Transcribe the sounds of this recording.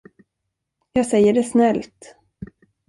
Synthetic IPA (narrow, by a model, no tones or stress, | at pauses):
jɑːɡsɛjːəɖɛsnɛlt̪